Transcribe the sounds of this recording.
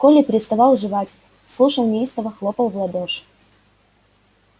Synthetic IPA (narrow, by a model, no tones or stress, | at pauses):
kolʲɪpʲɪɾʲɪst̪ɐvɑlˠʐɨvatʲ | slˠuʂəlˠnʲɪist̪əvəxlˠopəlˠvlˠɐd̪oʂ